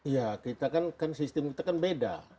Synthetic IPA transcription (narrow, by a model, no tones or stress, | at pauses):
ijakit̪akankansist̪ɛmkit̪akanbeda̰